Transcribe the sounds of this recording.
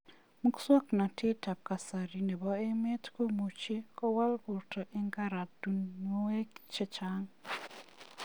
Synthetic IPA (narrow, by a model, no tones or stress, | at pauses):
muku̥swakunatʰetaβ̚kasaɾineβaemetkomut͡ʃekowalɣutaʔeŋɡaɾadunoweki̥t͡ʃet͡ʃaŋ